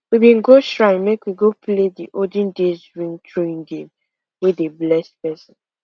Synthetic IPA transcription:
wibĩnɡoʃɹaɪmekwiɡoplediʔodĩndezɹĩŋtʰɹeĩŋɡẽm | wedeblɛstpɛsɔ̃n

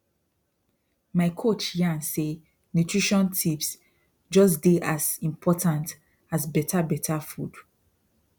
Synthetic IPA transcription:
maɪkʰot͡ʃjãnse | njutʰɹiʃɔ̃ntʰips | d͡ʒɔs̬deʔazĩmpʰɔtãnt | azbɛtʰabɛtʰafud̥

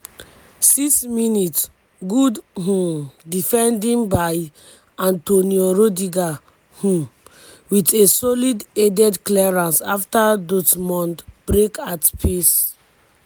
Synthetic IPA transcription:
siksminit | ɡudɦũdifɛ̃ndĩŋbaj | ãntonioɹodiɡa | hũ | witesɔlidɛdɛdklɛɹãnsaftadotmɔ̃ntb̥ɹekatpʰes

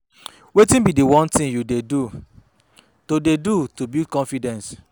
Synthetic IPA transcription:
wetĩnbidiwɔ̃ntĩŋjudedu | todedutubidkɔ̃nfidɛ̃ns

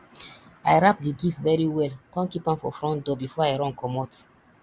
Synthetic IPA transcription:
aɪɹap̚didifvɛɹiwɛlkɔ̃nkipãmfɔ̰fɹɔ̃ntdɔbifɔaɪɹɔ̃nkʰɔmɔt

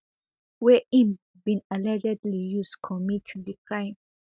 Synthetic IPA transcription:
wɛĩm | bĩnalɛd͡ʒɛdlijuskʰɔmitdikʰɹãj̃m

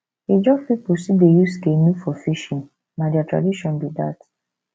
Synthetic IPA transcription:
ed͡ʒɔpipusidejuskenũfɔfiʃĩn | nãdiatʰɹa̰diʃɔ̃nbidat

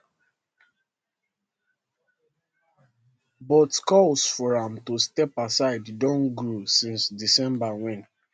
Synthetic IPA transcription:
bɔtkɔlsfɔɹãmtustɛpasaɪddɔ̃nɡɹosĩnsdisɛ̃mbawɛ̃n

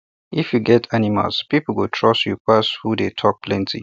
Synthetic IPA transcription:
ifjuɡɛtʰanima̰lspipl̩wutʰɹɔsjupʰashudetʰɔk̚pʰlɛ̃ntʰḭ

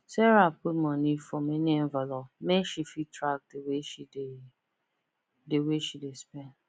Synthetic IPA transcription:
sɛɾapemɔ̃nifɔmeniɛɱvalɔpmeʃifitɾak̚deweʃide | deweʃidespɛn

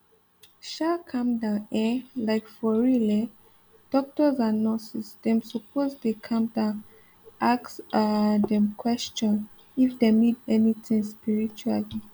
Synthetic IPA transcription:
ʃakʰãmdãɛlaɪkfɔɹilɛ | d̥ɔk̚tɔzãnɔsisdɛ̃msupʰoztukʰãmdã | aksadɛ̃mkʰwɛst͡ʃɔ̃n | ifdemidɛnit̪ĩŋspiɹit͡ʃuali

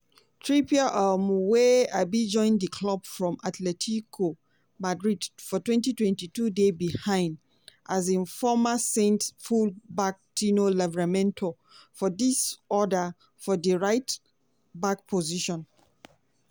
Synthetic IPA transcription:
tʰɹipiaʔɔmuweaɪbid͡ʒɔ̃ɪ̃ndəkʰlɔb̥fɹɔ̃matʰlɛtʰikʰo | madɹidfɔtwɛ̃ntitwɛ̃ntitudebihãɪ̃nd | ʔazĩnfɔmasẽntfulbak̚tinolɛvɛɹamɛ̃ntʰo | fɔdisɔda | fɔdəɹaɪt | bak̚pʰoziʃɔ̃n

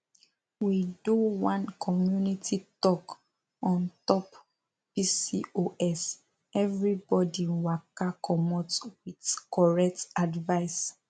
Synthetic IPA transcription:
widuwãnkʰɔmjunitʰitɔk | ɔ̃ntɔp | pisioʔɛs | ɛvɹibɔdiwakakʰɔmɔtwitkɔɹɛk̚tadvaɪs

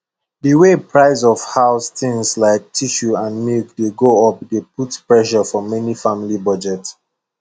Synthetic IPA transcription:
diwepʰɹaɪzɔfhaʊsθɪ̃ŋslaɪk̚tʰiʃuãndmilkdeɡoɔp̚deputpɹɛʃɔfɔmɛnifãmilibʌd͡ʒɛt

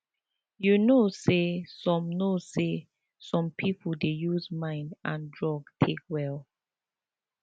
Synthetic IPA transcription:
junosesɔ̃mnose | sɔ̃mpʰipʰdejuzmãɪ̃ndʔãndɹɔɡtʰekwɛl

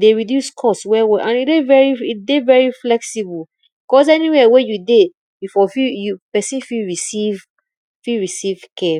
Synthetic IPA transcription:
deɹidjuskʰɔstswɛwɛʔãnidevɛɹiit̚devɛɹiflɛksibəl | bikɔz̬ɛniwɛwejude | bifɔfijupɛsĩnfiɹisiv | fiɹisiv̥kʰɛ

